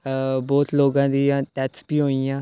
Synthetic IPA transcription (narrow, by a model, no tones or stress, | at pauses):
boːt̪ʰloːɡãːd̪iːãːt̪ɛːtsbiːɦoːijãː